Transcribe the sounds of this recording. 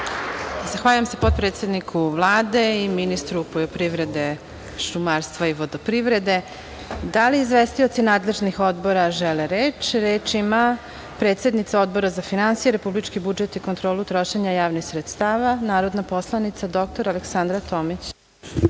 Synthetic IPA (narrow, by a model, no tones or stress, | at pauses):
zaxʋaʎujamsepo̞t̪̚pɾet̪sʲed̪nikʰuʋlˠaːd̪e̞iminist̪ɾupoʎopɾiʋɾe̞d̪e̞ | ʃumaːɾst̪ʋaiʋo̞d̪opɾiʋɾe̞d̪e̞ | d̪aliːzʋest̪iot̪sinaːd̪le̞ʒnixo̞d̪bo̞ɾaʒeleɾeːt͡ʃɾeːt͡ʃima | pɾet̪se̞d̪nit̪sao̞d̪̚bo̞ɾazafinansijeɾe̞publit͡ʃkibud͡ʒet̪ikont̪ɾo̞ːlut̪ɾo̞ʃe̞ɲajaːʋnixsɾet̪st̪aːʋanaːɾo̞d̪napo̞slˠanit̪sad̪o̞k̚t̪o̞ɾaleksand̪ɾat̪oːmit͡ɕ